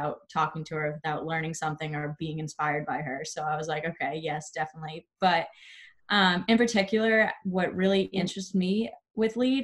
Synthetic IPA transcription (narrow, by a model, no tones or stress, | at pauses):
aʊtʰɔkɪ̃ŋtʰɨə˞wɨθaʊʔˡlɜ̃˞ñɪ̃ŋsʌ̃mθɪ̃ŋə˞biɪ̃ŋɨ̃nspaɪə˞d̚baɪə˞soʊaɪwʌzlaɪkoʊkʰeɪjɛsd̥ɛfənətˡlib̥ʌt̚ʔʌ̃mɨ̃npə˞tʰɪkjl̩ˠə˞wʌʔ̚ɹɪlˠiʔɪ̃nt͡ʃɹ̥ɨstmi | wɪðlid